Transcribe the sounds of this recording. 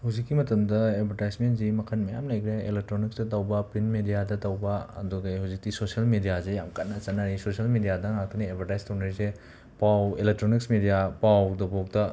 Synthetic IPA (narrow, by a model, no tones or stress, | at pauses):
hawzikːimɐtɐmdɐebʱɐɾtajsmentdimɐkʰɐnmɐja̰mlajkʰɾeḛlek̚tɾonik̚sdɐtɐwbɐpinmedijadɐtɐwbɐɐ̰duɡajɦawzik̚tisosiɐlmidijazejamkɐnːɐt͡ʃɐnɐɾisosiɐlmidijadɐŋak̚t̪ʰɐniebʱɐɾtajstɐwnɐɾise | pawelek̚tɾoniksmidijapawdɐbatɐ